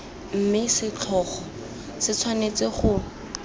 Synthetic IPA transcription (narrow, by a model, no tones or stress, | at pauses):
m̩mɪsɪt͡ɬʰɔːχɔ | sɪt͡sʰwanet͡seχʊ